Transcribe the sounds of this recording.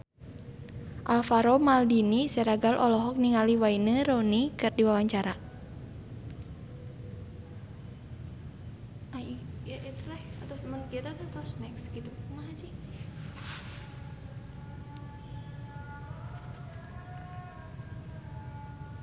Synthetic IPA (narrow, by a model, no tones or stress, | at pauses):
ʔalfaɾomaldinisɛɾaɡalʔɔlɔɦɔk̚niŋaliwainəɾonikɨrdiwawaɲt͡ʃaɾa | ajaʔit̪ulahat̪ɔmənkiɛt̪at̪at̪ɔsnɛksɡit̪umahad͡ʒi